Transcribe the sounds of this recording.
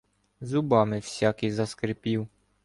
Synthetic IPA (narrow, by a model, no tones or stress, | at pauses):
zʊbɑmɪwsʲakɪjzɐskɾɪpʲiw